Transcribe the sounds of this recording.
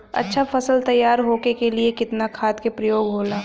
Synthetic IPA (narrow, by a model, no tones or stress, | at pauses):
ɐ̰tːʃʰafɐsəlt̪ɐjːaːɾɦoːkekeliekɪt̪nakʰaːt̪kepɾɐjoːɡɦoːlaː